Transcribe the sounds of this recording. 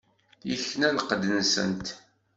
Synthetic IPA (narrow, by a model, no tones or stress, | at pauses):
jiçnænəqːəd̪ənsə̰nt̪